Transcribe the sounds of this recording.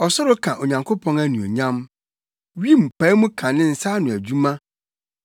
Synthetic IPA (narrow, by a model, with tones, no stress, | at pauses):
ɔ˨sʊ˦ɾʊ˦kʰã˨ʔo˨ɲã˨ŋkʰo˦pʰɔ̃˦ŋæ˦nũ˨o̰˨ɲã˦m | ɥi˦˨m̩˨pʰa˦mũ˦kʰã˨nɪ̃˦n̩˨saː˦nʊ̃˨æ˨d͡ʑu˦mã˦